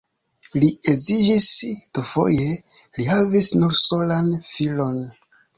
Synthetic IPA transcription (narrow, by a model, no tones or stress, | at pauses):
liezid͡ʒisd̥ufo̞̰jelihavisnuɾso̞lanfilo̞n